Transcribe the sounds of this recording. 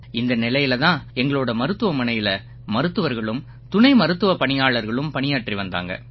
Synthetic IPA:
ɪnd̪ɐnɪlɐjɪlɐðãːɛŋɡɐɭoːɽɐmɐɾɯt̪ːɯʋɐmɐnɐjɪlɐ | mɐɾɯt̪ːɯʋɐɾɣɐɭɯm | t̪ʊɳɐɪmɐɾɯt̪ːɯʋɐpɐɳɪjaːɭɐɾɣɐɭɯmpɐɳɪjaːʈriʋɐnd̪a̰ːŋɡɐ̰

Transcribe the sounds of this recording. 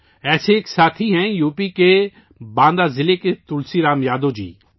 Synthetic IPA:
ɛːseːksaːt̪ʰiɦɛ̃juːpike | bãːnd̪aːzɪleket̪ʊlsiɾãːmjaːd̪od͡ʒḭː

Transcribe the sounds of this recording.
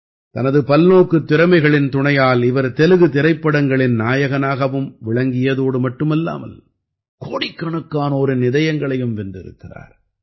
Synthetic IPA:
t̪ɐnɐðɯpɐlnoːkːɯt̪ːɪɾɐmɐɪɣɐɭɪnt̪ʊɳɐjaːlɪʋɐɾt̪ɛlɯɣɯt̪ɪɾɐɪpːɐɽɐŋɡɐɭɪnnaːjɐɣɐnaːɣɐʋɯmʋɪɭɐŋɡɪjɐðoːɽɯmɐʈːɯmɛlːa̰ːmɐ̰l | koːɽɪkːɐɳɐkːaːnoːɾɯnɪðɐjɐŋɡɐɭɐjɯmʋɛnd̪ɪɾɯ̰kːɪra̰ːɾ

